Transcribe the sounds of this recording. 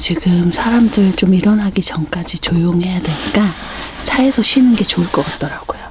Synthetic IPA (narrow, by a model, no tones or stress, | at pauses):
t͡ɕiɡɯmsʰaɾamdɯɭt͡ɕ͈omiɾʌnɦaɡit͡ɕʌŋk͈ad͡ʑit͡ɕojoŋɦe̞jadwe̞ɲik͈a | t͡ɕʰae̞sʰʌɕʰinɯnɡe̞t͡ɕoɯɭk͈ʌk͈at̚t͈ʌɾaɡ̥ojo